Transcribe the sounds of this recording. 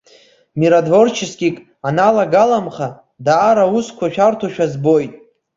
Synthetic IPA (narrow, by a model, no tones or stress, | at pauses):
miɾadvo̞rt͡ʃʰɪskʲʼikʼ | analaɡalamχa | daːɾauskʷʰaʃᶣartʰaʃᶣazbo̞jtʼ